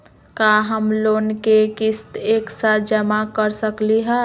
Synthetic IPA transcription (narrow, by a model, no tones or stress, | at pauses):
kaɦəmloːnkekɪst̪eːksad͡ʒəmakəɾsəkliɦɛ